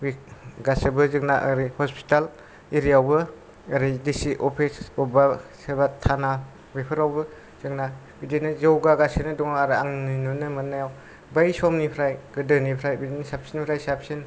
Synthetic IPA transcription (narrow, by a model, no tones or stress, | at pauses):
biɡasɯbɯzɯŋnaʔə̰ɾihɔspi̥tal | iɾijawbɯː | ɾidisiʔɔpʰisɔbasebatʰana | bipʰɯɾawbɯ | z̥ɯŋna | bidinɯzewɡaɡasenɯdɔŋaɾiaŋninɯnɯmɯnːajaw | bajsɔmnipʰɾajɡ̥ɯdɯnipʰɾajbidinsap̚sinpʰɾajsap̚sin